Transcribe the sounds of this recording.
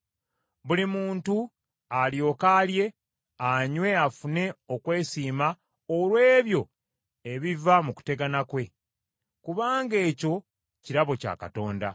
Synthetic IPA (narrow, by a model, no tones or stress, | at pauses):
βulimuːntu | aljo̞ːkalje̞ | aɲwe̞afune̞okwe̞ːsiːma | olwe̞ːβjo̞ | e̞βivamuku̥te̞ɡanakwe̞ | kuβaːŋɡe̞ːco̞ | ciɾaβo̞ca̰ːka̰to̞ːnda̰